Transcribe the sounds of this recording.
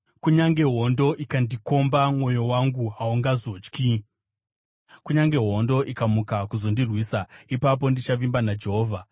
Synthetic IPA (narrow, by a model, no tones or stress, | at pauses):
kuɲaŋɡe̞ɦo̞ndo̞ʔikandiko̞mbamwo̞jo̞waŋɡuɦauŋɡazo̞t͡ʃki | kuɲaŋɡe̞ɦo̞ndo̞ʔikamukakuzo̞ndirwiːsaipap̬o̞ndit͡ʃaʋimbanad͡ʒe̞ɦoːvʱa